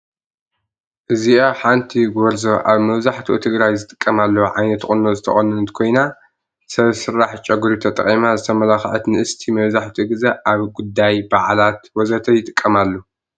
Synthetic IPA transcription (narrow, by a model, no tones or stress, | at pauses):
ʔɨziaħant̪ʰiɡɔɾzoʔaβmɐβzaħt̪ʰiʔot̪ʰɨɡɾajzɨt̪ʼɨ̥kʼːɐmalːɐwʕajnɐt̪xʼɨnozɨt̪ʰɐxʼɐnɨnɨt̪kʰo̞jna | sɐβsɨɾːaħt͡ʃʼɐɡuɾit̪ʰɐt̪ʼɐ̰χʼimazɨt̪ʰɐmɐlaxʕɐt̪nɨʔɨst̪ʰimɐβzaħt̪ʰiɡɨzɐʔaβɡud̪ːajbaʕlat̪wɔzɐt̪ʰɐjɪt̪ʼɨkʼːɐmalːo